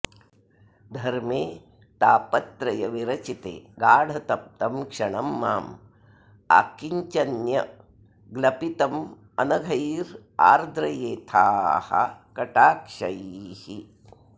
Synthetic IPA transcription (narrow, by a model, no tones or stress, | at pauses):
d̪ʱɐɾmeː | t̪aːpɐt̪ɾɐjɐʋiɾɐt͡ʃit̪ḛːɡaːɽ̤ʱɐt̪ɐp̚t̪ɐmkʂɐɳɐmːaːm | a̰ːkiɲt͡ʃɐnjɐ | ɡlɐpit̪ɐm | ɐnɐɡʱɐjɾ | a̰ːɾd̪ɾɐjeːt̪ʰaːhɐ̰kɐʈaːkʂɐjhi